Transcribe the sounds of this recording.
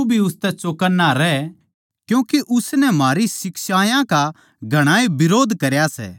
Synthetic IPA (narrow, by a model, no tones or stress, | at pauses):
bʱiʊst̪ɛt͡ʃoːkənːaɾɛː | kjũːkeʔʊsnɛmaːɾisɪkʃaːjãka | ɡʱɐɽ̃aːebɪɾoːd̪ʱkɐɾjasɛ̰ː